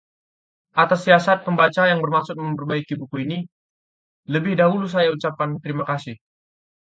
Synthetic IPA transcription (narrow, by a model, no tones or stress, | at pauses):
ʔat̪asːiasat̪̚pəmbat͡ʃajaŋbərmaksʊt̪̚məmpərbaikibukuini | ləbɪhdaɦulus̬ajaut͡ʃap̚kant̪əɾimakasɪh